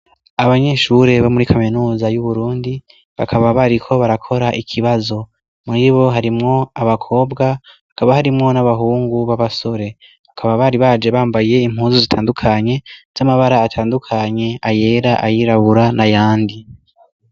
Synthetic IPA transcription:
aβaɲe̞ʃuɾe̞βomuɾikʰaminuːzajuβuɾuːndi | βa̰kʰaβaβaɾikʰo̞βaɾakʰo̞ɾaʔikʰiβazo̞ | muɾiβo̞ɦaɾimŋo̞aβakʰo̞ːbɡahakaβahaɾimŋo̞naβaɦuːŋɡuβaβaso̞ɾe̞ | βakʰaβaβaɾiβaːd͡ʒe̞βaːmbaje̞im̥huːnzizitʰaːndukʰaɲe̞z̥amaβaɾaːtʰaːndukʰaɲe̞aje̞ːɾaʔajiɾaβuɾanajaːndi

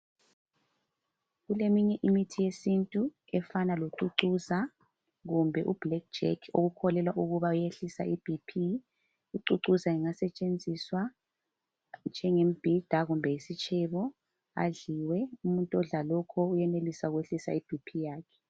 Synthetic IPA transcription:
ɣulemiɲɛʔimitʰijesintʼu | ɛfanaloǀuǀuza | ɣumbʱɛʔub̥lɛk̚d̥d͡ʒɛ̰kʰo̰ɣukʰɔlɛlwaʔuɣuβaujeɬisa̰ʔib̥ʱipʰi | uǀuǀuzaiŋasɛt͡ʃʼend͡zʱiswa | nd͡ʒʱɛŋem̩b̥ʱid̥ʱaɣumbʱɛjisit͡ʃʰʼɛβɔ | a̰ɮiwɛumuntʼɔɮalɔkʰɔujɛnelisaɣweɬisa̰ib̥ʱipʰijaːkʰɛ̥

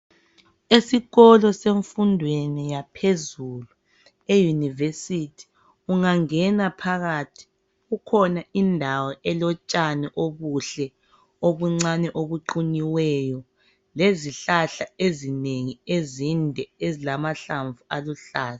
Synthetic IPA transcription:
esiɣɔlɔseɱfundʱwenijapʰezulu | ejunivesitʰi̥ | uŋaŋɛnapʰaɣatʰi̥ | ɣukʰɔnaindʱawɔʔɛlɔt͡ʃʼanɛʔoβuɬɛ | oβuŋ͡ǀanɛʔoβuǃuniwɛjɔ | leziɬaɬaezineŋiezindʱɛezilamaɬaɱvualuɬaːla

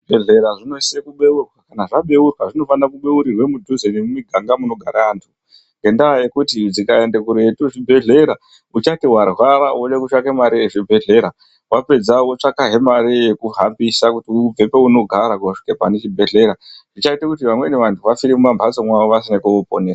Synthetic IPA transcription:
bʱeɮeɾaʐino̞isekuɓe̞urwakanaʐaɓe̞urwaʐino̞fanrakuɓe̞uɾirwe̞mud͡ʒuzenemumiɡʱaŋɡamuno̞ɡʱaɾaːntʰu | ŋɡe̞ndajekutid͡zikae̞nde̞kuɾetuʐibʱe̞ɮe̞ɾa | ut͡ʃatiwarwaɾaot͡ʃekut͡ʃakemaɾieʐibʱe̞ɮe̞ɾa | wape̞d͡zawot͡ʂakaɦe̞maɾijekuɦambisakutiub͡ve̞peuno̞ɡʱaɾakuʂi̥kepanet͡ʃibʱe̞ɮe̞ɾaʐit͡ʃaitakutiʋamwe̞neʋantʰuʋafiɾimumambʱasomwaʋoʋasinekuoponesa

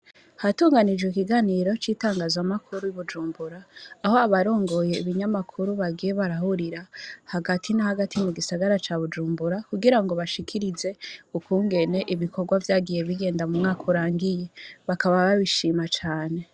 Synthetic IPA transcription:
hatuːŋɡanid͡ʒwekiɡaniɾo̞t͡ʃiːtaːŋɡazwamakʰuɾujuβud͡ʒuːmbuɾaːho̞aβaɾo̞ːŋɡo̞je̞iβiɲamakʰuɾuβaɡije̞βaɾahuɾiɾahaɡatʰinahaɡatʰimuɡisaɡaɾat͡ʃaβud͡ʒuːmbuɾakuɡiɾaŋɡo̞βaʃikʰiɾize̞ukuːŋɡe̞ne̞ʔiβiko̞ɡwavjaːɡije̞βiɡe̞ːndamumŋaːkʰuɾaːŋɡije̞βakaβaβaβiʃiːmat͡ʃaːne̞

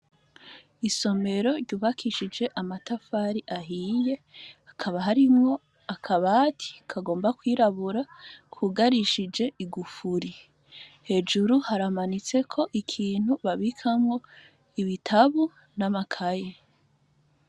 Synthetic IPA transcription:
iso̞me̞ɾo̞ɾɟuːβakʰiʃid͡ʒe̞ʔamatafaɾiʔaɦiːje̞akʰaβaɦaɾimŋo̞ | akʰaβatʰi̥kʰaɡo̞ːmbakwiːɾaβuɾakʰwuɡaɾiʃid͡ʒe̞ʔiɡufuɾi | he̞d͡ʒuɾuhaɾamanit͡se̞kʰo̞ʔikʰiːn̥huβaβikʰamŋo̞ | iβitʰaβu | namakʰaje

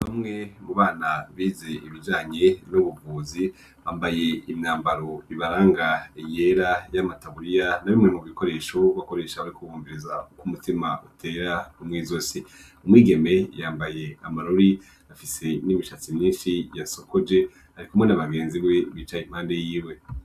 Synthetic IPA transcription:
βamŋe̞muβaːnaβiːze̞iβid͡ʒaːɲe̞nuβuvuːzi | βaːmbaje̞imɲaːmbaɾo̞iβaɾaːŋɡajeɾajamataβuɾijanaβimŋemuβɡiko̞ɾe̞ːʃoβako̞ɾe̞ːʃaβaɾikuβuːmbiɾizaukumutimaʔutʰe̞ːɾaumŋiːzo̞si | umwiːɡe̞me̞jaːmbaje̞amaɾoɾi | afise̞nimiʃat͡simɲiːnʃijasokod͡ʒe̞ | haɾikumwenaβaɡeːnziɡweβiːt͡ʃaim̥haːnde̞jiːwe̞

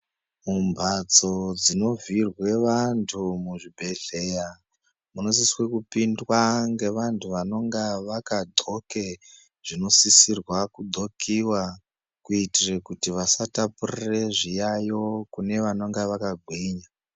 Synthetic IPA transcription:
mumbʱat͡so̞d͡zino̞virwe̞ʋantʰumuʐibʱe̞ɮe̞ja | munosiswe̞kupindwaŋɡe̞ʋantʰuʋano̞ŋɡeʋakadʱo̞ke | ʐ̥ino̞sisirwakudʱo̞kʰiwa | kuitire̞kutiʋasatapurire̞ʐijajo̞kune̞ʋano̞ŋɡeʋakaɡʱwiːɲa

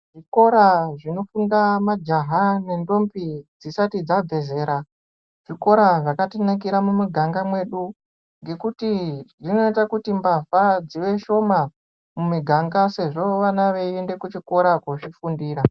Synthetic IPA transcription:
ʐiko̞ɾaʐino̞fundamad͡ʒaɦane̞ndo̞mpid͡zisatid͡zab͡ve̞ze̞ːɾa | ʐ̥iko̞ɾaʐakatinak̬iɾamumuɡʱaŋɡamwe̞ɗu | ŋɡe̞kutiʐino̞itakutimbafad͡ziʋe̞ʃo̞ma | mumiɡʱaŋɡase̞ʐo̞ʋanaʋe̞iende̞kut͡ʃiko̞ɾakot͡ʃifundiːɾa

